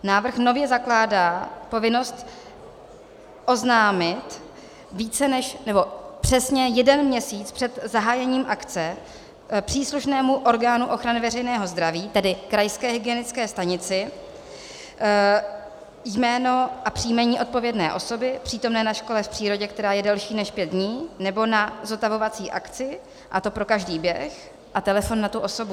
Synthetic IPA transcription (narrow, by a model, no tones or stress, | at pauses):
naːvr̩xno̞vjɛzaklaːdaːpo̞vɪno̞st̪ | ʔo̞znaːmɪt̪ | viːt͡sɛnɛʃnɛbo̞pr̝̥ɛsɲɛjɛdɛnmɲɛsiːt͡spr̥ɛt̪zaɦaːjɛɲiːmʔakt͡sɛ | pr̝̥iːsluʃnɛːmuʔo̞ɾɡaːnuʔo̞xɾanɪvɛr̝ɛjnɛːɦo̞zd̪ɾaviːt̪ɛdɪkɾajskɛːɦɪɡɪɛnɪt͡skɛːst̪aɲɪt͡sɪ | jmɛːno̞ʔapr̥ijmɛɲiːʔo̞t̪̚po̞vjɛdnɛːʔo̞so̞bɪpr̥iːt̪o̞mnɛːnaʃko̞lɛfpr̥iːɾo̞ɟɛk̚t̪ɛɾaːjɛdɛlʃiːnɛʃpjɛt̪̚dɲiːnɛbo̞nazot̪avo̞vat͡siːʔakt͡sɪ | ʔat̪o̞pɾo̞kaʒdiːbjɛx | ʔat̪ɛlɛfo̞nːat̪uʔo̞so̞bu